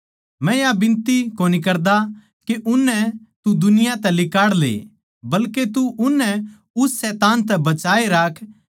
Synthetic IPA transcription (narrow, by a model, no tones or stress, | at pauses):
mɛ̃jabɪ̃nt̪ikoːnik̬ɐɾd̪a | keʔʊnːɛt̪ud̪ʊnɪjãt̪ɛlɪkaːɽlḛː | bɐlket̪uʊnːɛ | ʊsːɛːt̪aːnt̪̬ɛbɐt͡ʃaːeɾaːkʰ